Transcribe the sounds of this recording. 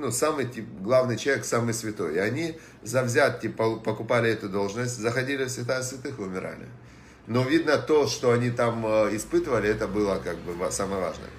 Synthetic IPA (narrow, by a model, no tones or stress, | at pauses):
nusamɨjtʲiɡlˠavnɨjt͡ɕʲeksamɨjsvʲɪt̪o̞jɪɐnʲi | zɐvzʲat̪̚kʲipɐpəkʊpalʲɪɛt̪ʊd̪o̞lˠʐnəsʲtʲzəxɐdʲilʲɪfsʲvʲɪt̪ajsvʲɪt̪ɨxʊmʲɪɾa̰lʲɪ̰ | no̞vʲid̪nət̪o̞ʂt̪o̞ɐnʲit̪aməɪspɨt̪əvəlʲɪɛt̪əbɨlˠəkaɡ̚bɨvasaməjəva̰ʐnə̰ə̰